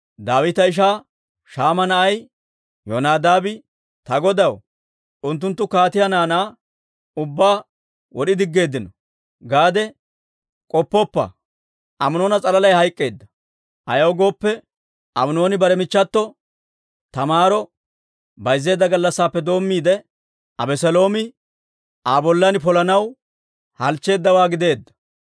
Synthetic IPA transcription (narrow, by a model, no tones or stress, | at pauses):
d̪aːwɪt̪ɐɪʃ̬aː | ʃaːmɐnɐʔɐj | jonaːd̪aːbɪ | t̪ɐɡɔd̪ɐw | ʔʊnt̪ːʊnt̪ːʊkaːt̪ɪjɐnaːnaː | ʊbːaː | wɔɗɪd̪ɪɡːe̞ːd̪ːɪnɔ | ɡaːd̪ɛ | kʼɔpːɔpːɐ̰ | ʔɐmʊno̞ːnɐt͡sʼɐlɐlɐjhɐjkʼːe̞ːd̪ːɐ | ʔɐjɐwɡo̞ːpːɛ | ʔɐmno̞ːnɪbɐɾɛmɪt͡ʃːɐt̪ːɔ | t̪ɐmaːɾɔ | bɐjzːe̞ːd̪ːɐɡɐlːɐsːaːpːɛd̪o̞ːmːiːd̪ɛ | ɐbɛsɛlo̞ːmɪ | aːbɔlːɐnɪpɔlɐnɐw | hɐlt͡ʃːe̞ːd̪ːɐwaːɡɪd̪e̞ːd̪ːɐ̥